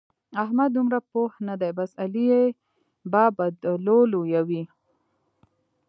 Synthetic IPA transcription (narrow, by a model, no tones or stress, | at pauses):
ahmad̪̚d̪ːumɾapohnad̪ajbasalije | bɑbad̪lolojawi